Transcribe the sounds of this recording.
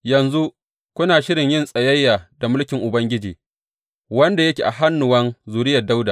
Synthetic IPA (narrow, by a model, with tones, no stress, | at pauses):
jɐ˨nzu˦ | kʷʊ˦naː˨ʃɪ˦ɾɪ˨ɲjɪ˦nsʼɐ˨jɐ˦jːaː˨da˨mʊ˦lkʲɪ˨ŋʔʊ˨bɐ˦ŋɡʲɪ˦d͡ʒḭː˨ | wɐ˦nda˨jɐ˦kʲḛː˨ʔa˨ɦa˦nːʊ˨wɐ˦nzuː˨ɾɪ˦jɐ˨da˦wdaː˨